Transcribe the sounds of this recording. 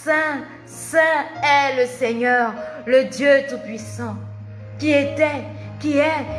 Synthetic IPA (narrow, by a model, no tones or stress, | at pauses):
sɛ̃ | sɛ̃ɛləseɲœʁləd̪jøt̪upɥisɑ̃ | kiet̪ɛkiɛ